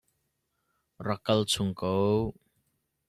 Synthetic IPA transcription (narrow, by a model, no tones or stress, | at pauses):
rɐkɐlt͡sʰuŋko